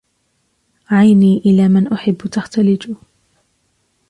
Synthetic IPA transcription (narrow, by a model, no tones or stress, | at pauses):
ʕajniːʔɪlaːmɪnʔʊħɪbːt̪axt̪alɪd͡ʒʊ